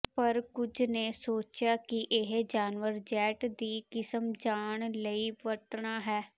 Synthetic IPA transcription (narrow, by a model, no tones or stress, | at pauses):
pəɾkʊd͡ʒneːsoːt͡ʃjaːkɪʔɪɦd͡ʒaːnʋəɾd͡ʒɛːʈd̪iːkɪsəmd͡ʒaːɳləiːʋət̪ɳaːɦɛː